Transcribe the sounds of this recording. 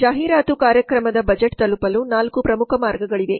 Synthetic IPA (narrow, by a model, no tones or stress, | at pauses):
d͡ʒaːɦiːɾaːt̪ukaːɾjɐkɾɐmɐd̪ɐbɐd͡ʒeʈt̪ɐlupɐlunaːlkupɾɐmukʰɐmaːɾɡɐɡɐɭiʋe̞